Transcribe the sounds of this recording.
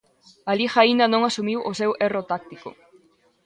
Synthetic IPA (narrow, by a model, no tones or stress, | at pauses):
alixaind̪anõŋasumiwʔosewerot̪ak̚t̪iko̰